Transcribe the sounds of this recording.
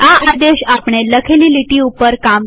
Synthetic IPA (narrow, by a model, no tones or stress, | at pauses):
aad̪eɕapɳ̃eləkʰeliliʈiupəɾkam